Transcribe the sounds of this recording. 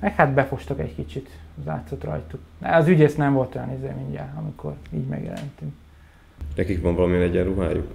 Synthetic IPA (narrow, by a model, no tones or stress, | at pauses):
mɛkhat̪bɛfo̞ʃt̪ɒkɛckit͡ʃit̪za̰ːt̪so̞t̪rɒ̰jt̪uknɛ̰ɒzyɟeːsnɛɱvo̞lt̪o̞jɒnizḛːmiɲɟa̰lɒmikʰo̞̰rḭːɟmɛ̰ɡjɛ̰lɛ̰nt̪ym | ʃnɛkikbɒɱvɒlɒminɛɟɛrɾuɦaːjṵk